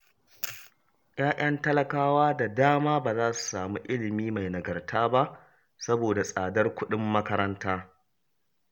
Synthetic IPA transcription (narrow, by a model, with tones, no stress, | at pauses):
j̰ʔaː˦ʔɐ˦ntɐ˦lɐ˨kaː˦waː˦da˨daː˦maː˦baː˨zaː˦su̥˨saː˨muː˦ʔɪ˦lɪ˨miː˦ma˨jnɐ˨ɡɐ˨rtʰaː˦ba˦ʔ | sɐ˦boː˨da˨sʼaː˨dɐ˦rkʷʊ˦ɗɪ˦mːɐ˦kɐ˦ɾɐ˦ntaː˦